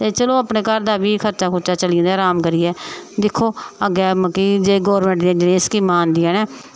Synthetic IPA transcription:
t̪eːt͡ʃəloːəpɳeːkəɾd̪aːbiːkʰəɾt͡ʃaːkʰʊɾt͡ʃaːt͡ʃəlĩnd̪aːɾaːmkəɾiːɛːd̪ɪkʰːoːəɡɛːməkid͡ʒeːɡɔːɾmẽɳʈd̪ɛ̃ːd͡ʒɪɽẽːɪskiːmaːnd̪iːɛːnɛ̃ː

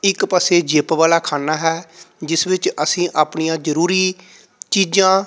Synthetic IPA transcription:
ɪkpəseːd͡ʒeːpʋaːlaːkʰaːnaːɦɛːd͡ʒɪsʋɪt͡ʃəsĩːʔaːpɳijãːd͡ʒəɾuːɾiː | t͡ʃiːd͡ʒãː

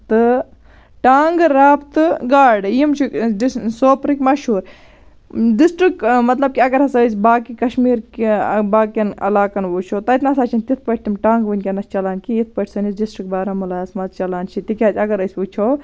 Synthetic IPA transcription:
t̪ɨ | ʈaːŋɡɾaːpt̪ɨɡaːɾɖjimt͡ʃʰiksoːpɾikmɐʃuːɾ | ɖisʈɾikmɐt̪lɐb̚kiɐɡɐɾɦɐsɐsʲbaːkikɐʃmiːɾkbaːkʲɐnɐ̰laːkɐnʋuːt͡ʃʰoːt̪ɐt̪nasaːt͡ʃʰɐnt̪it̪ʰpɐʈ̚ʰt̪imʈaːŋɡʋɨnʲkʲɐnɐst͡ʃɐlaːnkijit̪̚ʰpɐʈʰʲsɐnisɖisʈɾik̚baːɾɐmulaːsmɐzt͡ʃɐlaːnt͡ʃʰit̪ikʲaːzʲɐɡɐɾəsʲʋut͡ʃʰoː

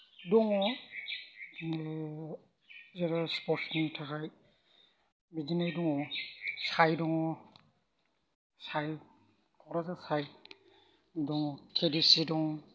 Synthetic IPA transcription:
dɔŋɔ | zɛɾaspɔsmɛntʰakaj | bizinajdɔŋɔsajdɔŋɔ | saj | kɔɾazasaj | dɔŋɔkʰedisidɔŋ

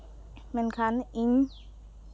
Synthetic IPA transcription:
menkʰaniŋ

